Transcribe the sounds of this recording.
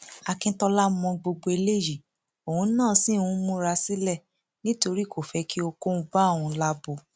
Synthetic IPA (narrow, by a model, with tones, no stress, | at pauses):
a˧kĩ˧˦tɔ˧la˦mɔ̃˧ɡ͡bo˧ɡ͡bo˧e˧le˦˨ji˦˨ | o˨hũ˨˧˦nãː˦˨sĩ˦˨ũ˦mũ˦ɾa˧si˦lɛ˦˨ | nĩ˦to˧ɾi˦˨ko˦˨fɛ˨˧ki˦o˧ko˦ũ˧˦ba˦˨ũ˧˦la˦bo˧